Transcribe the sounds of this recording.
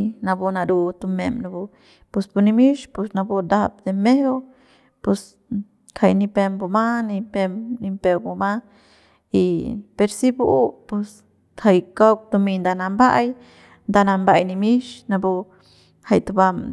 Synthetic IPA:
na˧bu˧na˧ɾu˧t̪u˧me˧mna˧bu˧ | pu˧sbu˧ni˧mi˦ʃpu˧sna˧bu˧d̪a˦bd̪e˧me˦hw | pu˧s | kʰa˧jni˧pe˧mbu˧ma˦ni˧pe˧mni˧mpe˧wbu˧ma˦ | i˧pe˧ɾsi˦bu˦ʔpu˧s | ha˧jka˦wk̚t̪u˧mi˧nd̪a˧na˧mba˦j | nd̪a˧na˧mba˧jni˧mi˦ʃna˧bu˧ | ha˧jt̪u˧ba˧m

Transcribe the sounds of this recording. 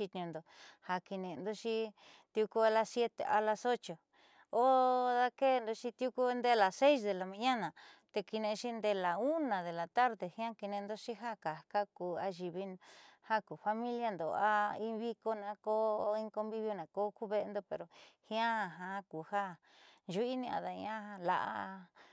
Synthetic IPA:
i˧t̪ɲũ˧nd̪o˨ha˧ki˧nẽ˧nd̪o˧ʃi˦ | t̪ju˧ku˦e˧la˧sje˦t̪ḛ˨ʔa˧la˧so˦t͡ʃo˨ | o˦ða˦ke˦˧nd̪o˧ʃi˧t̪ju˦ku˦˧nd̪e˦˧la˨se˦is̬ðe˨la˨mĩ˧ɲã˦nã˨t̪e˧ki˧nẽ˧ʃi˦nd̪e˧la˨u˦nã˨ðe˨la˨t̪a˦ɾðe˨hĩ˦ã˦ki˧nẽ˧nd̪o˦ʃi˦ɦa˦ka˨ka˦ku˨a˧ʒi˧βi˦ha˦ku˨fa˧mĩ˦lja˧nd̪o̰˨a˦i˦βi˦ko˧nã˧ko˦i˦ŋko˧mbi˦βjo˧nã˨ko˦ku˦βe˦˧nd̪o˧pe˨ɾo˨hĩ˦ã˦˧˨ɦã˧˦ku˨ha˦ | ʒu˦i˦nĩ˧a̰˧ða˧ɲ˧ã˦a˧la̰˧ʔa̰˦˧

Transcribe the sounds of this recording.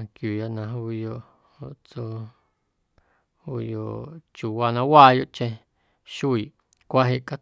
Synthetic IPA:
kju˨ja˧ʔnã˧ɦu˧jo˧ʔ | o˨ʔt͡so˧ | u˧jo˧˨ʔt͡ʃu˨wa˧nã˧waː˦˧jo˧ʔt͡ʃẽ˧ | ʃu˦i˨ʔ | kʷa˦ɦe˧ʔka˦

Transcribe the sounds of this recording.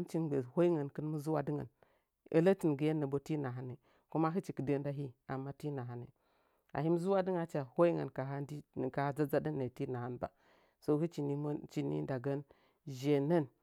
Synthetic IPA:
nt͡ʃi˦nɡ͡be˨ho˦i˦ŋə˨nkə˦n˦mu˦zu˦wa˦di˦ŋa̰˨n | ə̰˦lə˦ti˨n˨ɡə˨je˦nə˨bo˦ti˦na˨ɦa˦ne˨ | ku˦ma˦ɦə˦t͡ʃi˨kə˨de˦n˦da˦ɦi˦a˨mːa˦ti˦na˨ɦa˨nḛ˨ | a̰˨hi˦mu˦zu˦wa˦di˦ŋa˨t͡ʃa˨ho˦i˦ŋa̰˨nka˨ɦa˦di˦˨ka˨ha˦d͡za˦d͡za˦də˦nːe˨ti˦na˨ha˦nba̰˨ | so˦hu˦t͡ʃi˨ni˦t͡ʃi˨nḭ˦da˨ɡa˦n | ʒe˨nə˦n

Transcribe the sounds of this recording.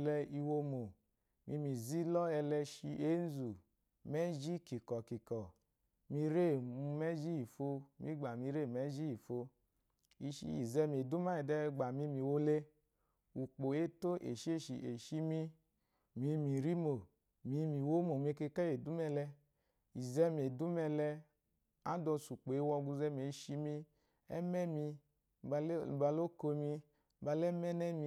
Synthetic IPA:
lɛ˧i˧wo˧mo˨ | mḭ˧˦mi˨zi˦lɔ˦ɛ˧lɛ˧ʃi˧ʔe˦n˦zu˨ | mɛ˦d͡ʒi˦ki˨kɔ˨ki˨kɔ˨ | mi˧ɾe˦˨u˧mɛ˦d͡ʒi˦i˨fo˧mḭ˦ɡ͡ba˨mi˧ɾe˦˨mɛ˦d͡ʒi˦i˨fo˧ | i˧ʃḭ˦ḭ˨zɛ˧me˨du˦ma˦i˨dɛ˧˦ɡ͡ba˨mi˧˦mi˨wo˧le˦ | u˨k͡po˨e˦to˦ʔḛ˨ʃi˦e˦˨ʃḭ˨ʔe˨ʃi˦mi˧ | mi˨˧mi˨ɾi˦mo˨ | mi˧˦mi˨wo˦mo˨me˦˧˦ke˧ka˦je˨du˨˦mɛ˧lɛ˧ | i˨zɛ˦m˨e˨du˦mɛ˧lɛ˧ | a˦dɔ˧su˨k͡po˨e˦wɔ˧ɡu˧zɛ˧˦m˨e˨˦ʃi˧mi˧ | ɛ̰˦mɛ˦mi˧˦˨ | ba˧lo˦ko˧mi˧˦ | ba˧lɛ˦mɛ˦nɛ˦mi˧

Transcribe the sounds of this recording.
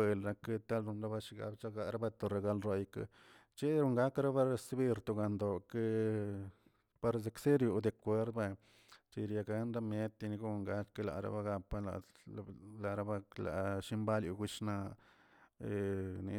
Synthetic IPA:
e˨lɾa˧ke˦t̪a˦lɾu˧nɾa˦ba˧ʃi˧ɡa̰˧bt͡ʃa˦ɡa˧ɾa˦ba˧t̪o˧ɾa˧ɡa˧lɾo˧jka̰˧ | t͡ʃe˦ɾu˧ŋɡa˦kɾa˦ba˦ɾe˧sbi˦ɾt̪u˧ɡa˧nd̪o˨ke˦ | pa˧ɾze˧kse˦ɾju˨d̪e˧kʷe˦ɾd̪ba˧˨ | t͡ʃi˧ɾja˧ɡa˧˦nɾa˦mje˦t̪i˧ni˧ɡu˦˧ŋɡa˦ke˦la̰˨ɾa̰˦ba˦ɡa˧pa˦la̰˨ | la˨ɾa˦ba˦la̰˨ʃi˦mba˦ljṵ˧ɡu˧˦ʃna˧ | e˧ni˧

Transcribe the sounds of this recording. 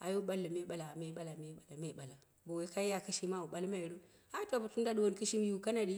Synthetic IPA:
a̰˨jo˦ɓa˦lːa˨me˦ɓa˨la˨me˦ɓa˦la˨me˦ɓa˨la˨me˦ɓa˨la˨ | bo˨we˦ka˦ji˦ja˨ki˦ʃi˦ma˦u˨ɓa˦lma˦i˨ɾu˦ | a˦tʷa˨ba˨tu˦nda˦du˦wo˦nki˦ʃi˦m˦ju˦˨ka˦na˨di˦

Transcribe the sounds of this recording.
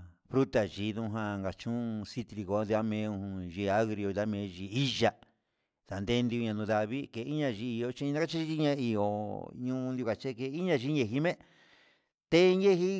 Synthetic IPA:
fɾu˦t̪a˨ʒi˨ðũ˧˦ɦã˧ŋɡa˨t͡ʃũ˦si˦t̪ɾi˧ɣo˧˦d̪i˧a˦mẽ˧˦˧ũ˧hũ˧ʒi˧a˦ɣɾi˧o˧ða˦mẽ˧˦˧ʒi˧˨i˦ʒa˧ | ða˨nd̪e˧˦nd̪i˧u˧ɲã˧nũ˧ða˧βi˦ke˧i˦ɲã˧ʒi˧i˧o˧t͡ʃĩ˧nã˦a˦t͡ʃi˦i˦i˦˧˦ɲã˧i˧o˨ɲũː˦˧d̪u˧ka˨t͡ʃe˦ke˧i˦ɲã˧ʒi˧˦ɲe˧ɦi˧˦mẽ˦ | t̪e˦˧ɲe˦ɦi˦

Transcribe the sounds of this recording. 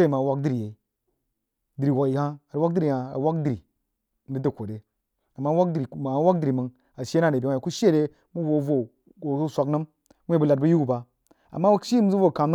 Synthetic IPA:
e˦i˨ma˨wa˦k̚di˦ɾi˨je˨i˨ | di˨ɾi˨wa˨i˨ha˦a˨˦wa˦di˦ɾi˨ja˨a̰˨˦wa˦kdi˨ɾi˨ | m̩˦bi˦də˦˨kʷo˨de˨ | a˨mːa˦wa˦kdɾi˨a˨˦wa˦k̚di˦ɾi˨mə˨ŋ | a˨ʃe˦n˦a˦˨de˨i˨˦˨ku˦ʃe˦ɾe˦ | mu˦wo˨˦vo˨ | o˨˦sʷa˨knə˦m | wʷe˦bə˦la˨d̚bu˦ju˦ɡu˦ba˨ | a̰˨mːa˦wa˦ʃi˦m˦zu˦vo˦˨ka˨m˦

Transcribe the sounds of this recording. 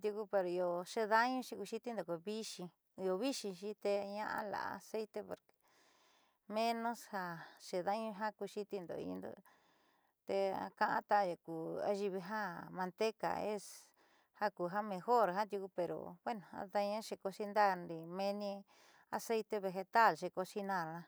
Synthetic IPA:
t̪ju˧ku˧˦pe˧ɾo˨i˧o˨ʃe˧ða˦ɲũ˦ʃi˧ku˧ʃi˦t̪i˦nd̪o˨ko˧βi˦ʃĩ˧ | i˧o˧βi˦ʃĩ˧ʃi˦t̪e˧ɲã˦ʔã̰˧la̰˨a̰˧se˦jt̪e˧po˧ɾke̥˨ | mẽ˦nõ˦sha˧ʃe˧ða˦ɲũ˧ɦa˦ku˧ʃi˦t̪i˧nd̪o̰˧˨ḭ˧nd̪o̰˧ | t̪e˧a̰˧kã˧ʔã̰˦t̪a˧ja˨ku˨a̰˧˦ʒi˧βi˧ɦa˦mã˧nt̪e˦ka̰˨e˦s | ha˦ku˨ɦa˦mẽ˧xo˦˨ɾɦã˦t̪ju˧ku˧pe˨ɾo̰˨βwe˦nõ˨a̰˧ða˧ɲã˦ʃe˧ko˧si˦nd̪a˦nɾi˧mẽ˧nĩ˧ | a˧se˦jt̪e˧βe˧ɦe˧t̪a˦˨lʃe˧ko˧si˦nã˦˨nã˧

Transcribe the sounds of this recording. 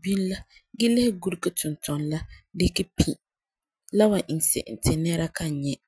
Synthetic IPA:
bi˦n˦la˦ | ɡɪ˦lɪ˦hɪ˦ɡu˦ɾkɨ˦tʊ˨ntɔ˨nla˦dɪ˦kɪ˦pʰi˨ | la˦wa˨ʔi˨n˨sɛ̰˨ʔɪ̰˨n˨tɪ˨nɛ˦ɾa˦ka˦˨ɲɛ˦

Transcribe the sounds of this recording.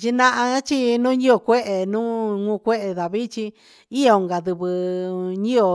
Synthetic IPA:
t͡ʃi˧nã˦ʔã˧˦t͡ʃi˦nũː˦ɲĩ˦o˧kʷe˦ʔe˨nũː˦ŋũ˧kʷe˦ʔe˧ða˨βi˦t͡ʃi˧ | i˦o˨˧˨ŋɡa˨ðɨ˧βɨ˧ɲĩ˦o˨

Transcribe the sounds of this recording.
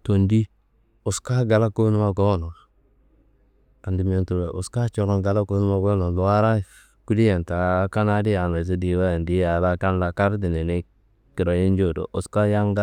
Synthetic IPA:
to˨ndi˦ | o˨ska˦ɡa˨la˦ko˦nu˦ma˦ɡo˦no˨ | a˨ndi˨m˨o˨ntu˨we˨ʔo˨ska˦t͡ʃo˦ɾo˨ɡa˨la˦ko˦nu˦ma˦˨ɡo˦no˨lu˨a˦ɾa˦˨ | ku˦di˦je˨nta˨˦ka˦na˦di˦ja˨na˨s̬e˦di˨˦wa˦˨ndi˦a˨la˦ka˦n˦la˦ka˦ɾdi˨ne˨ne˦ | ki˨ɾo˨ji˦n˦d͡ʒo˦˨do̰˨ʔo˨ska˦ja˦ŋɡa˦

